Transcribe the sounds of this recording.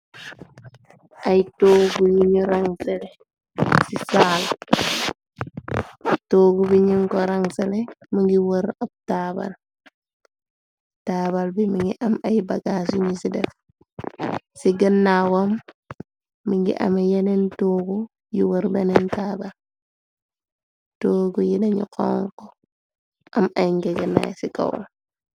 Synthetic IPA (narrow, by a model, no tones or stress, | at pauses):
ʔajtoːɡuɲiɲuɾaŋsɛlɛ | sisaːl | toːɡubiɲiŋkɔɾaŋsɛlɛmiŋɡiwəɾab̚taba̰l | taːbalbimiŋɡiʔamajbaɡasuɲisidɛf | siɡənːawamː | iŋɡḭʔɐ̰mejɛnɛntoːɡu | jiwəɾbɛnɛntaːbal | toːɡujidɐɲḭkɔ̰ŋkɔ | ɐmajŋɡɛɡənːa̰jsika̰wɔ̰l